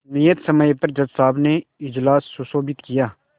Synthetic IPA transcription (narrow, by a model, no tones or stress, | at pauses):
nɪjət̪səməjpɐɾd͡ʒɐd̪saːbneɪd͡ʒlaːsːʊsoːbɪt̪kɪjaː